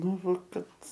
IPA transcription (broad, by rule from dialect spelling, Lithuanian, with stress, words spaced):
ˈnʊ ˈʋɐ ˈkɐt